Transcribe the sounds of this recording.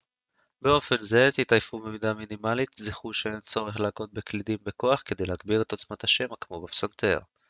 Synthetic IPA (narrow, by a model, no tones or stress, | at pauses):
beo̞fe̞nze̞t̪it̪ajfubemid̪aminimalit̪ziχuʃeent͡so̞ʁeχleako̞t̪̚beklid̪imbeko̞aχke̞d̪e̞jleaɡbiʁet̪o̞t͡smat̪haʃe̞makmobafsant̪ʰḛʁ